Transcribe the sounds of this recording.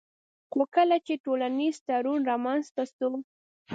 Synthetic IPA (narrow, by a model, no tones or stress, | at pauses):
xokəlat͡ʃeʈolanizt̪aɾunɾamanzt̪ast̪ʊm